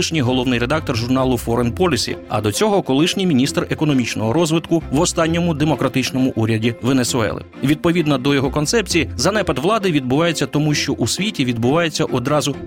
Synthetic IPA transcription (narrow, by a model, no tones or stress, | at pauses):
ɪʃnʲijɦɔlˠɔʋnɪjɾed̪ɑk̚t̪ɔrʒʊrnɑlˠʊfɔɾenpɔlʲisʲḭɐ̰d̪ɔt͡sʲɔɦɔkɔlˠɪʃnʲijmʲinʲist̪rekɔnɔmʲit͡ʃnɔɦɔɾɔzʋɪt̪kʊʋɔst̪ɑnʲːɔmʊd̪emɔkɾɐt̪ɪt͡ʃnɔmʊʔuɾʲɐdʲiʋenesʊɛ̰lˠɪ̰ʋʲid̪̚pɔʋʲid̪nɐd̪ɔjɔɦɔkɔnsɛpt͡sʲijizɐnɛpɐd̪ʋlˠɑd̪ɪʋʲid̪̚bʊʋɑjet͡sʲːɐt̪ɔmuʃt͡ʃɔʔusʲʋʲitʲiʋʲid̪̚bʊʋɑjet͡sʲːɐʔɔd̪ɾɑzʊ